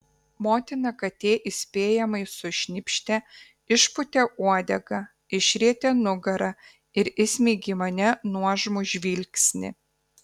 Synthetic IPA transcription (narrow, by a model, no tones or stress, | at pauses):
moːt̪ʲɪnɐkɐt̪ʲeːʔɪsʲpʲeːjɛmɐɪsʊʃʲnʲɪpʲʃʲt̪ʲɛ | ɪʃpʊt̪ʲɛʔuɔd̪ʲɛɡɐ | ɪʃʲɾʲiɛt̪ʲɛnʊɡɐɾɐ | ɪɾɪsʲmʲeːɡʲɪmɐnʲɛnuɔʒmʊʒʲʋʲiːlʲksʲnʲɪ̰